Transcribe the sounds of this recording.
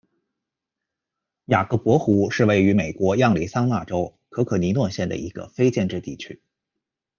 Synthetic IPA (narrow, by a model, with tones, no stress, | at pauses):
ja˨˩kɤ˧˥pwɔ˧˥xu˧˥ʂɻ̩˥˧we˥˩ɪy˧˥me˨˩ɪkwɔ˧˥jɑ˥˩ŋli˧˥sa˥ŋna˥˩ʈ͡ʂo˥ʊkʰɤ˧˥kʰɤ˨˩ni˧˥nwə˥˧nɕjɛ˥˩nd̪ə̰˩ʔḭ˧˥ɡ̥ə̰˧fe˥ɪt͡ɕjɛ˥˧nʈ͡ʂɻ̩˥˧t̪i˥˩t͡ɕʰy˥